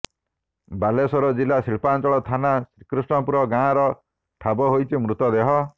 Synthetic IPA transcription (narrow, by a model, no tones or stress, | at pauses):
balesɔɾɔd͡ʒilasiɭpant͡ʃɔɭɔt̪ʰanasɾikɾusʈɔpuɾɔɡãːɾɔ | ʈʰabɔɦojt͡ʃʰimɾut̪ɔd̪eɦɔ